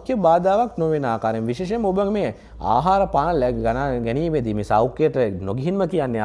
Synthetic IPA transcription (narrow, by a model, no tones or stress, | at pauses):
kjebaːd̪aːʋaknoʋenaːkaːɾjemʋiʃeːʃ̬eməobəŋme | a̰ːɦaːɾəpaːnəlɛɡanaːɡɛniːʋed̪imesawkːejəʈənoɡiɦinməkijanːe